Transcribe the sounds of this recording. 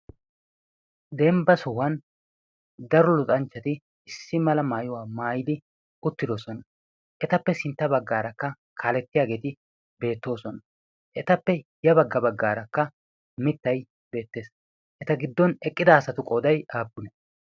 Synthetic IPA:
d̪ɛmbɐsɔwɐn | d̪ɐɾɔlʊt̪ʼɐnt͡ʃːɐt̪ɪ | ɪsːɪmɐlɐmaːjʊwaːmaːjɪd̪ɪ | ʊt̪ːɪd̪o̞ːsɔnɐ | ʔɛt̪ɐpːɛsɪnt̪ːɐbɐɡːaːɾɐkːɐ | kʰaːlɛt̪ːɪjaːɡe̞ːt̪ɪ | be̞ːt̪ːo̞ːsɔnɐ | ʔɛt̪ɐpːɛjɐbɐɡːɐbɐɡːaːɾɐkːɐ | mɪt̪ːɐj | be̞ːt̪ːe̞ːs | ʔɛt̪ɐɡɪd̪ːɔnɛkʼːɪd̪ɐːsɐt̪ʊkʼɔːd̪ɐjaːbːʊnɛ

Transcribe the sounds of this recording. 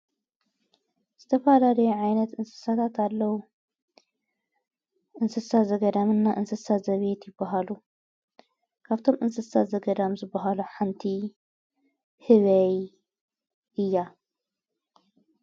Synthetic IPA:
z̥ɨt̪ʰɐfalalɐjuʕajnɐt̪ɨnsɨ̥sat̪ʰat̪ʰalːɐwu | ʔɨnsɨsazɐɡɐd̪amɨnːaʔɨnsɨsat̪zɐβet̪jɪbːɐɦalu | kʰaβt̪ʰo̞mʔɨnsɨsat̪zɐɡɐd̪amzɨbːɐɦaluħant̪ʰi | hɨβɐj | ʔɨjːa

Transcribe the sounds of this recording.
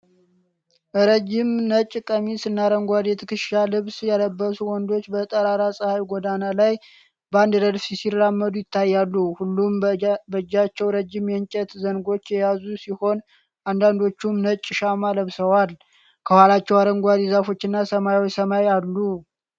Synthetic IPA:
ɾəd͡ʒɪmnət͡ʃʼːkʼəmisɨnːaɾəŋɡʷad̪it̪ʰɨkɨʃalɨβsjaləbːəsuwɔnd̪o̞t͡ʃːbət̪ʼəɾaɾasʼɨhajɡʷod̪analaj | bəand̪dəd̪sisirːamːəd̪ujɪt̪ʰːajːalːuhulːumbəd͡ʒːat͡ʃːɛwɾəd͡ʒɪmjɛnt͡ʃʼɛt̪zənɡo̞t͡ʃːjɛjazusiho̞n | ʔand̪and̪o̞t͡ʃːumnət͡ʃʼːʃamaləβsəwal | kʰəhwalat͡ʃːɛwaɾəŋɡʷad̪izafo̞t͡ʃːɪnːasəmajwojsəmajalːu

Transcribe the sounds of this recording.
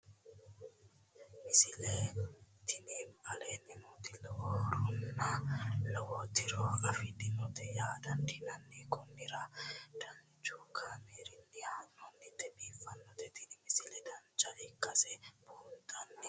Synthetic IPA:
mɪsɪlet̪ɪnimɐlenɪnut̪ɪlɔwoɾʊnːalɐwoːt̪ɪɾɔɐfɪd̪ɪnɔt̪ɛjaːd̪ɐnd̪ɪnɐnːikʼɔnːɪɾad̪̥ɐn | t͡ʃuːkʰameːɾɪnːɪhanːɔnːɪt̪ɛbiːfɐnːɔt̪ɛt̪ɪnɪmɪsɪlɛd̪ɐnt͡ʃɐʔɪkʼːɐsɛbʊhʊnt̪ʼɐnːɪ

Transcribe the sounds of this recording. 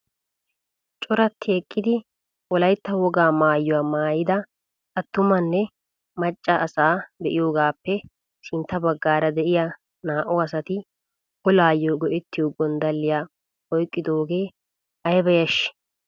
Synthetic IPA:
t͡ʃʼɔɾɐt̪ʰːeːkʼːɪd̪ɪ | wɔlɐjt̪ːɐwɔɡaːmaːjːɔwaːmaːjɪd̪ɐ | ɐt̪ːʊmɐnːɛ | mɐt͡ʃʼːɐʔːsaːb̪ɛʔɪjo̞ːɡaːpːɛ | sɪnt̪ːɐbɐɡːaːɾɐd̪ɛʔɪja | naːʔɔɐsɐt̪ɪ | hɔlaːjːoɡɔʔɛt̪ːɪjoːɡɔnd̪ɐlːɪjaː | ɔjkʼːɪd̪oːɡeː | ɐjbɐjɐʃːɪ̥

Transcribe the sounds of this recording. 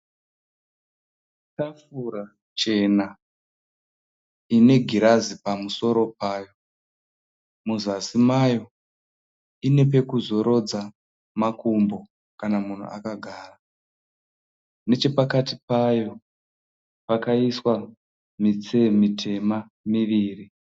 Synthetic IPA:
tafuɾa | t͡ʃe̞na | ine̞ɡʱiɾazipamuso̞ɾo̞paːjo̞ | muzasimajo̞ | ine̞p̬e̞kuzo̞ɾo̞d͡za | makumbo̞ | kanamun̤ṵʔa̰kaɡʱaːra | ne̞t͡ʃe̞pakatipajo̞ | pakaiswa | mit͡semitʰe̞ma | miʋiːri

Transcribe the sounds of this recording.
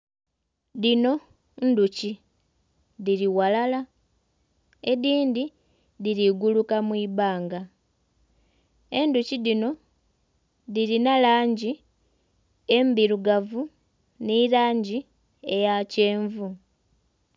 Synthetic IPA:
ðino̞ | nduci | ðiɾiwalala | eðiːndi | ðiɾiɡulukamwiːβaːŋɡa | e̞nduciðino̞ | ðiɾinalaːɲɟi | e̞mbiɾuɡavu | nilaːɲɟi | e̞jace̞ːɱvu

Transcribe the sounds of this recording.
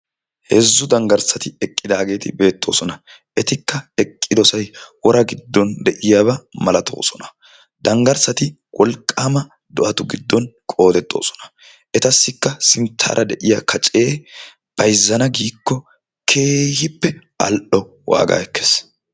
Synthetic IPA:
hɛzːʊd̪ɐŋɡɐɾsɐt̪ɪɛkʼːɪd̪aːɡe̞ːt̪ɪbe̞ːt̪ːo̞̰ːsɔnɐ | ʔɛt̪ɪkːɐɛkʼːɪd̪ɔsɐjwɔɾɐɡɪd̪ːɔnd̪ɛʔɪjaːβɐmɐlɐt̪ʰo̞̰ːsɔnɐ̥ | d̪ɐŋɡɐɾsɐt̪ɪ | wʔɔlkʼːaːmɐ | d̪ɔʔɐt̪ʊɡɪd̪ːɔnkʼo̞ːt̪ɛt̪ʼːo̞̰ːsɔ̥nɐ̥ | ʔɛt̪ɐsːɪkːɐsɪnt̪ʰːa̰ːɾʔɐd̪ɛʔɪjɐkʰɐt͡ʃʼe̞ː | b̥ɐjzːɐnɐɡiːkːɔ | kʰeːhɪpːɛʔɐ̰lʔɔ | wa̰ːɡa̰ːɛkːes

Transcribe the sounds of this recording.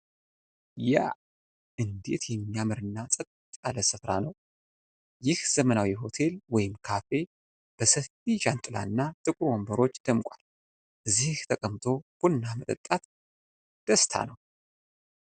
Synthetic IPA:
ja̰ | ɨnd̪e̞̰t̪jɛmːijamɨɾɨnːasʼət̪ʼt̪ʼaləsɨfɾanəw | jɪhz̥əmənawiɦo̞t̪ʰe̞lwɔjɪmkʰafe̞ | b̥əsəfiʃant̪ʼɨla̰nːat̪ʼɨkʼɾwombəɾo̞t͡ʃːd̪̥əmkʷʼal | ʔɨzːiht̪ʰəkʼəmt̪ʰo̞ɡ̥unːamət̪ʼə̰t̪ʼːat̪ | d̪̥əst̪ʰa̰nəw

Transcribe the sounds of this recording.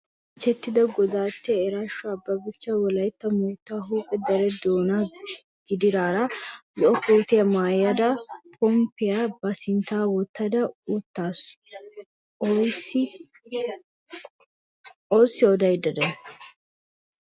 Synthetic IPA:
t͡ʃɛt̪ːɪd̪ɐɡɔd̪aːt̪ːɛːɾaʃːɔɐbːɐbɪt͡ʃːɐwɔlɐjt̪ːɐmuːt̪ːaɦuːkʼɛd̪ɐɾɛd̪oːna | ɡ̥ɪd̪ɪɾaːɾazɔʔɔkoːt̪ɪjɐmaːjɐd̪ɐpʰɔmpɪjabɐsɪnt̪aːwɔt̪ːɐd̪ɐʊt̪ːaːs | sɪ | osːɪɔd̪ɐjɪd̪ɐd̪ɐ

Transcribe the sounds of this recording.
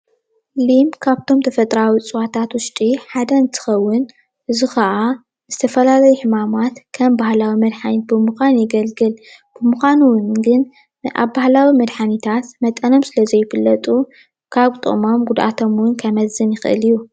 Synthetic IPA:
limkʰaβt̪ʰo̞mt̪ʰɐfɐt̪ʼɾawit͡sʼɨwat̪ʰat̪wʊʃt̪ʼiħad̪ɐɨnt̪ʰɨ̥xɐwːʊn | ʔɨzuxɐʔa | zɨt̪ʰɐfɐlalɐjuħɨmamat̪kʰɐmbahlawimɐd̪ħanit̪̚bɨmuxʷanjɪɡɐlɡɨl | b̥ɨmuxʷanuwnɡɨn | ʔa̰βbahlawimɐd̪ħanit̪ʰat̪mɐt̪ʼɐno̞msɨlɐzɐjːɪfɨlːɐt̪ʼu | kʰaβt̪ʼɨ̰mo̞mɡud̪ʔa̰t̪ʰo̞mwʊnkʰɐmɐzɨnjɪxʔɨ̰liju

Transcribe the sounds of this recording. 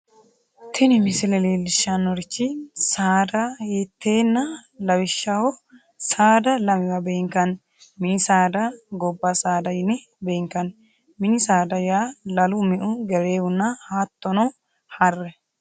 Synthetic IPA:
t̪ʰɪnɪmɪsɪlɛleːlːɪʃːanːɔɾɪt͡ʃːɪsaːd̪ɐheːt̪ːeːnːɐlɐwɪʃːɐhɔ | saːd̪ɐlɐmɪwɐbeːŋkɐn | mɪnɪsaːd̪ɐɡɔbːasaːd̪ɐjɪnɛ | beːŋkɐn | mɪnɪsaːd̪ɐjaːlɐlʊmɛʔʊɡɛɾeːwʊnːɐhaːt̪ːɔnɐw | hɐrːɛ

